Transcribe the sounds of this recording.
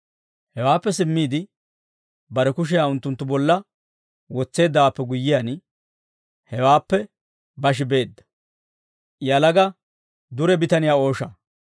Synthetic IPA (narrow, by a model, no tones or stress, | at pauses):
hɛwaːpːɛsɪmːiːd̪ɪ | bɐɾɛkʊʃ̬ɪjaːʊnt̪ːʊnt̪ːʊbɔlːɐ | wɔt͡sːe̞ːd̪ːɐwaːpːɛɡʊjːɪjaːn | hɛwaːpːɛ | bɐʃ̬ɪbe̞ːd̪ːɐ̥ | jɐlɐɡɐ | d̪ʊɾɛbɪt̪ɐnɪjaːo̞ːʃɐ